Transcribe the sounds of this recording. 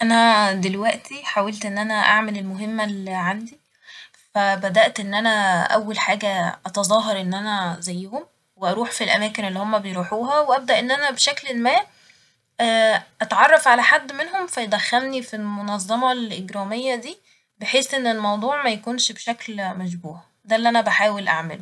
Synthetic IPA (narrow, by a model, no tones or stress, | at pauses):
ʔænæd̪elwæʔt̪iħaːwelt̪ʔenːʔænæʔaʕmælelmoɦemːælʕand̪i | fæbæd̪æʔt̪ʔenːʔænæʔæwːælħaːɡæʔɑt̪ɑzˤɑːɦɑɾˤʔenːʔænæzæjːhom | weʔɑɾˤuːħfilʔæ̰mæːkenelːihomːæbejɾuːħuːɦɑweʔæb̚d̪æʔenːʔænæbeʃæklelmæː | ʔɑt̪ʕɑrˤːɑfʕalæħad̪ːmenɦomfæjed̪æxːælnifilmonɑzˤːɑmɑlʔeɡɾˤɑːmejːæd̪iː | beħeːsʔenːelmɑwd̪ˤuːʕmæjækuːnʃbeʃæklmæʃ̬buːʕ | d̪ælːiʔænæbæħaːwelʔa̰ʕmelu